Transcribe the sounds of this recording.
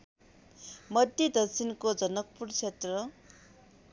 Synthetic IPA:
mʌd̪ʱjʌd̪ʌk̚sʰinkod͡zʌnʌk̚purt͡sʰet̪rʌ

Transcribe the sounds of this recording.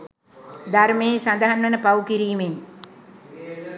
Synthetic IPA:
d̪armeːsand̪əɦanʋənəpawukiɾiːmeŋ

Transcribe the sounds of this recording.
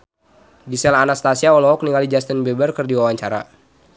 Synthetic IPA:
ɡisɛlanast̪asiaɔlɔɦɔk̚niŋalid͡ʒast̪ənbɛbərkərdiwawaɲt͡ʃaɾa̰

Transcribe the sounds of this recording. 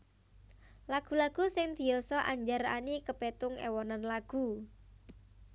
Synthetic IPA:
laɡ̥ṳlaɡ̥ṳsɪŋd̪̥i̤jɔsɔʔa̰ɲd͡ʒaɾa̰nikəpet̪ʊŋḛwɔnanlaɡ̥ṳ

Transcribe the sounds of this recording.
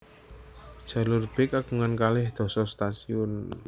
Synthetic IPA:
d̥ʒ̥a̤lʊrb̥ekakuŋankalɪhd̪̥ɔ̤sɔst̪asiʊn

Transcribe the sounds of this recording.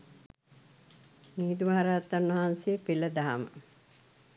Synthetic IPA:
niːd̪uʋaɦaɾaːt̪ːanʋɐɦansejəpiləd̪aɦamə̰

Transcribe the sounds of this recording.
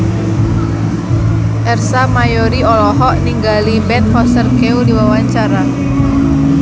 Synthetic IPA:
ʔɛrsamajoɾiɔlɔɦɔʔniŋɡalibɛt̪̚hɔsərkeudiwawaɲt͡ʃaɾa

